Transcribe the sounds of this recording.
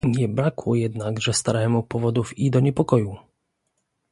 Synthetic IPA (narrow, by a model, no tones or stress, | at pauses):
ɲɛbɾakwɔjɛd̪naɡʐɛst̪aɾɛmupɔvɔd̪ufid̪ɔɲɛpɔkɔju